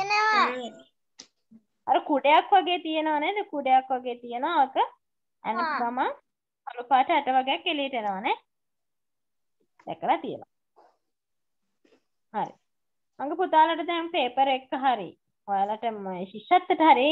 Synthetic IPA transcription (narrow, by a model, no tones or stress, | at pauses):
enəʋa | aɾəkuɖejakʋaɡeːt̪ijenəʋanɛd̪əkuɖejakʋaɡeːt̪ijenəʋaokə | æ̰nəɡama | alupaːʈəaʈəʋaɡejakːeliəʈəenəʋanɛ | d̪ɛkːəlat̪ijə̰n̰ | haɾḭ | maŋɡəput̪aːlaʈət̪ɛmpeːpəɾekːəɦaɾḭ | ojalaʈəmʃiʃat̪ːəʈəɦaɾi